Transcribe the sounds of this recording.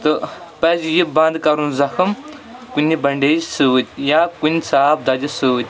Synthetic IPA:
t̪ɨpɐzjibɐ̃nd̪kɐɾunzɐkʰɨmkunʲːibɐɳɖeːd͡ʒsɨʋt̪ʲjaːkunʲsaːb̚d̪ɐd͡ʒɐsɨʋt̪ʲ

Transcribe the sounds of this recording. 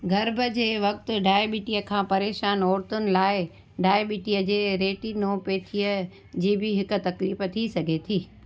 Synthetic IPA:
ɡʱɐɾbʱəd͡ʑeːʋɐk̚t̪ʊ̆ɖaːjɓiːʈijəkʰãːpɐɾeːʃaːnɔːɾt̪ʊnɪ̆laːɪ | ɖaːjɓiːʈijəd͡ʑeːɾeːʈinoːpet̪ʰijə | d͡ʑiːbɪɦɪkʊ̆t̪ɐkliːft̪ʰisɐɡʱet̪ʰiː

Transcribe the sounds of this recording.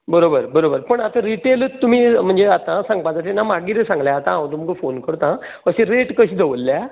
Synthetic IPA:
bəɾobəɾbəɾobəɾpəɳat̪ãɾiʈelt̪ːum̤ĩm̤əɳd͡zeat̪ãsãŋɡ̚pãt̪at̪enamaɡiɾesãŋɡljaːt̪ããʋ̃t̪̬umkəfonkəɾt̪ã | əɕẽɾeʈkəɕiːd̪eʋəlːa

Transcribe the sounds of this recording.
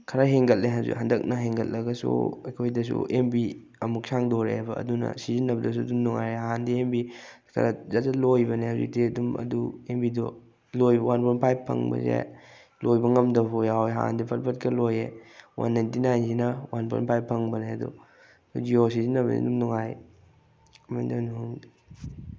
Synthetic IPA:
kʰɐɾaɦeŋɡɐlleɦanzḭɦandɐk̚nɐɦeŋɡɐllɐɡɐsṵɐjkʰojdɐsṵʔembi | ɐmuk̚sʰaŋdoɾḛbɐ̰ːdunɐ̰sizinːɐbɐdɐs̬udumnuŋajɾeɦaɦandiembi | kʰɐ̰ɾazatɐlojbɐneɦazḭk̚teɐdumɐ̰duembido | lojbɐwanpʰonpʰajpʰːɐ̰ŋbɐ̰zḛ | lojbɐŋɐmdɐpojaweɦaɦa̰ndipʰɐt̚pʰɐt̚kɐlojewa̰nːajntinajns̬inɐwanpʰo̰jnpʰajpʰːɐŋbɐneɐdṵ | sud͡ʒiosizinːɐβɐ̰nḭdumnuŋaj | ɐmajndɐnuŋ

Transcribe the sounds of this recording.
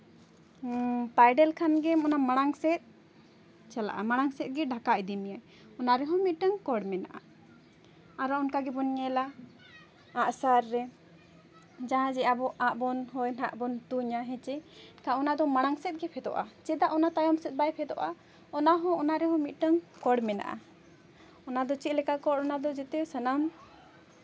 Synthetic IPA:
tajɖɛlkʰanɡɛmɔnamaɽ̃aŋsɛt̪̚ | t͡ʃala̰ʔamaɽ̃aŋsɛt̪̚ɡɛɖʱakaʔd̪imija | ɔnaɾɛɦɔ̃mit̪̚ˀʈəŋkɔɽmɛna̰ʔa̰ | aɾɔɔnkaɡɛbɔnɲɛla | aʔsaɾːɛ | d͡ʒaɦãd͡ʒɛabɔʔaʔbɔnɦɔjnaʔbɔnt̪uɲaɦɛ̃t͡ʃɛkaɔnad̪ɔmaɽ̃aŋsɛt̪̚ɡɛpʰɛd̪ɔ̰ʔa̰t͡ʃɛd̪aʔɔnat̪ajɔmsɛt̪̚bajpʰɛd̪ɔ̰ʔa | ɔnaɦɔ̃ɔnaɾɛɦɔ̃mit̪̚ˀʈəŋkɔɽmɛna̰ʔa̰ | ɔnad̪ɔt͡ʃit̪̚lɛkakɔtɔnad̪ɔd͡ʒɛt̪ɛsənam

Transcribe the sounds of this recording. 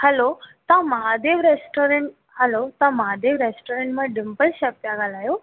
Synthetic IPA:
hɐlot̪ãmɐɦad̪eːʋɾesʈoːɾẽɳʈ | hɐlot̪ãmɐɦad̪eːʋɾeːsʈoːɾẽɳʈmãɖɪmpəʃɐp̚t̪jaɡalaːjo

